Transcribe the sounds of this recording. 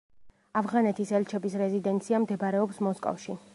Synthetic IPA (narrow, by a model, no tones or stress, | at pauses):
avʁanɛt̪ʰisɛlt͡ʃʰɛbisɾɛzid̪ɛnt̪sʰiamd̪ɛbɾɛɔpsmɔskʼɔ̰fʃi